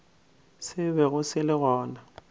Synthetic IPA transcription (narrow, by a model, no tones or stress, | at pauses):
sɪβɛɣʊsɪlɪɣɔːna